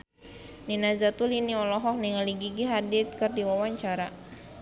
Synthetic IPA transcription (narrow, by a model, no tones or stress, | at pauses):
ninazat̪uliniɔlɔɦɔk̚niŋaliɡiɡiɦadit̪̚kɨrdiwawaɲt͡ʃaɾa